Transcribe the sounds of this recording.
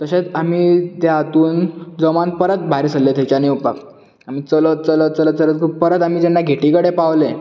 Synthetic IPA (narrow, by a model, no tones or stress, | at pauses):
t̪əɕet͡samiːt̪aat̪uːnd͡zɔmanpəɾət̪̚bʱaɾisəlːet̪et͡ɕanewpa̰k | am̤iːt͡sələt͡sələt͡sələt͡sələt̪̚kʰuːp̚pəɾət̪am̤id͡ʑenːaɡʱeʈikəɽepaʋle